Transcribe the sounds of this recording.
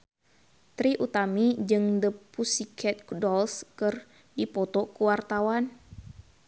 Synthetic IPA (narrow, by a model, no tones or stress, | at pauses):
t̪ɾiʔut̪amid͡ʒɨŋdəpusikʰɛt̪̚kudɔlskɨr | dipɔt̪ɔkuwart̪awan